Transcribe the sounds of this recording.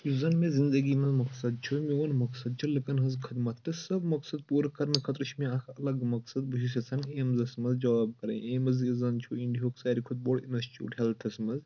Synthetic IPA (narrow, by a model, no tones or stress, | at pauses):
juzɐnmezind̪ɐɡiːmɐzmɐksɐd̪̚t͡ʃʰumionmɐksɐd̪̚t͡ʃʰilɨkɐnɦɐzkʰɨd̪mɐt̪ʰːɨsɐbmɐksɐd̪̚puːɾkɐɾnɨkʰɐt̪ɾɨt͡ʃʰmiɐkʰɐlɐɡmɐksɐd̪buʃis̬ʲɐsʰɐŋɡeːmzɐsmɐzd͡ʒɐʋaːb̚kɐɾɐ̰jeːmɐzjizɐnt͡ʃʰuiɳɖiɦoːksaːɾikʰut̪̚boːɽinɐst͡ʃʰiṵʈʰalt̪ʰɐsmɐz